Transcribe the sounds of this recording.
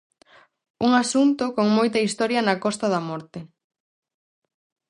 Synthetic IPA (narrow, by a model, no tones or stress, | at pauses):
uŋasunt̪ʊkoŋmojt̪ɐist̪ɔɾjɐnɐkɔst̪ɐðɐmɔɾt̪e